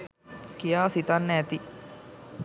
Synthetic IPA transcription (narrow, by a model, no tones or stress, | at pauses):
kijaːsit̪anːt̪i